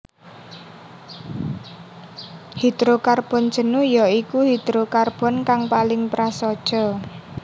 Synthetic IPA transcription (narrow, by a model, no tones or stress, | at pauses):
hid̪ɾokarb̥ɔ̤n̥d͡ʒə̤nujɔikuɦid̪ɾokarb̥ɔ̤nkaŋpalɪŋpɾasɔd̥ʒ̥ɔ̤